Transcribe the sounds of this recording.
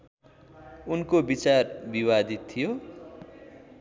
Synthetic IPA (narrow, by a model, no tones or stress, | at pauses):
unkobit͡sarbiwad̪it̪ʰːijo